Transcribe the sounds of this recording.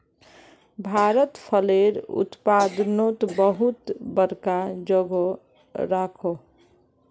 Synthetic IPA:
bʱaɾət̪pʰəleɾṵt̪pad̪not̪bəɦut̪bəɾkad͡ʒoɡo | ɾakʰo

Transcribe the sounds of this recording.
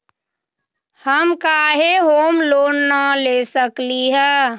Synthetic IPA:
həmkaːɦeɦoːmloːnːalesəkliɦɛː

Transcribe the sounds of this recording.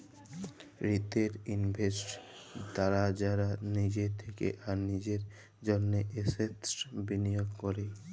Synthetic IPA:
ɾit̪eɾinbʱesʈt̪aɾad͡ʑaɾanid͡ʑet̪ʰekḛʔaɾnid͡ʑeɾ | d͡ʑonːeʔesetbinijoɡkoɾe

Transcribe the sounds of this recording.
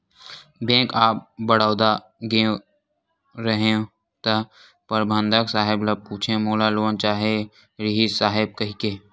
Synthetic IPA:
bẽːkaːp̚bəɽaːʊd̪a | ɡẽ | ɾəɦeõ | t̪ɐ | pəɾbʱə̃nd̪ʱəksaːɦɪblɐpuːt͡ʃʰẽmoːlaloːənt͡ʃaːɦe | ɾɪɦisaːɦɪb̚kɐɦikeː

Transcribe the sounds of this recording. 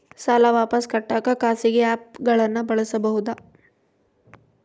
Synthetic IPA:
saːlɐʋaːpɐskɐʈːaːkɐkaːsiɡeaːp̚ɡɐɭɐnːɐbɐɭɐsɐbɐɦud̪a

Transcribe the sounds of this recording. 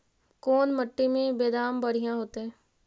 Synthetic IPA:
koːnməʈːimẽbeːd̪aːmbəɽ̤ijãɦoːt̪eɦɛ̃ː

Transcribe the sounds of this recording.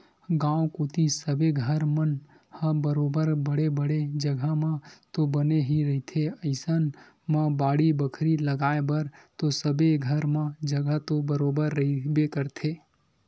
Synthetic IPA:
ɡãːokoːt̪isəbeɡʱəɾmən | hə̃bəɾoːbəɾbəɽebəɽed͡ʒəɡʱəmãt̪obəneɦiɾɐɦit̪ʰeəɪsən | mãbaːɽibəkʰɾiləɡaːebəɾt̪osəbeɡʱəɾmãd͡ʒəɡət̪obəɾoːbəɾːəɦibekəɾt̪ʰeː

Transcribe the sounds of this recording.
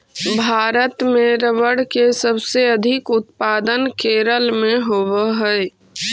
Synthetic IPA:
bʱaːɾət̪mẽɾəʋəɽkesəbseɐd̪ʱɪkʊt̪paːd̪ənkeːɾəlmẽɦoːwəɦɛ

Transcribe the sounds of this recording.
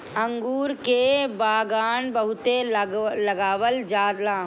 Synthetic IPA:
ə̃ŋɡuːɾkebaːɡaːnbəɦʊt̪elɐɡaːʋəld͡ʒaːd̪lãː

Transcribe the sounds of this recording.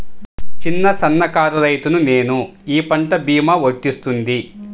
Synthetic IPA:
t͡ʃinːɐsɐnːɐkaːɾuɾɐjt̪unune̞ːnuiːpɐɳʈɐbiːmaʋoʈːist̪und̪i

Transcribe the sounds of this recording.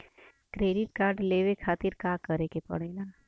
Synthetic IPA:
kɾeːɖɪʈ̚kaːɾɖleːʋekʰaːt̪ɪɾkaːkəɾekepɐ̰ɽeːlaː

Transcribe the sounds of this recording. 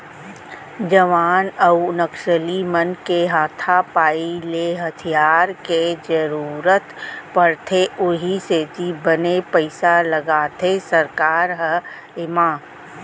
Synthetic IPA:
d͡ʒəʋaːnəunəkʃəlimənkeɦaːt̪ʰapaːileɦɐt̪ʰijaːɾked͡ʒəɾuːɾət̪pəɾt̪ʰeʔʊɦiseːd͡ʒ̪ibənepəɪsaləɡaːt̪ʰesəɾkaːɾɦə | ɪmaː

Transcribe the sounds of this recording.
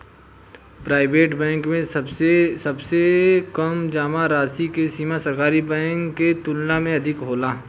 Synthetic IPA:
pɾaːɪbeːʈbɛ̃ːŋkmẽsɐbsɐbsekɐmd͡ʒaːmaɾaːsikesiːmasɐɾkaːɾibɛ̃ːŋkːet̪ʊlnamẽɐd̪ʱɪkɦoːlaː

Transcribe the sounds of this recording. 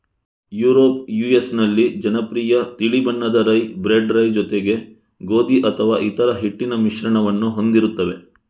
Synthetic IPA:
juːɾoːp̚juːjesnɐlːid͡ʒɐnɐpɾiːjɐt̪iɭibɐnːɐd̪ɐɾɐjbɾeɖɾɐjd͡ʒɔt̪eɡe̞ | ɡo̞ːd̪iʔɐt̪ʰɐʋaːʔit̪ɐɾɐɦiʈːinɐmiʃɾɐɳɐʋɐnːuɦo̞nd̪iɾut̪ːɐʋe̞

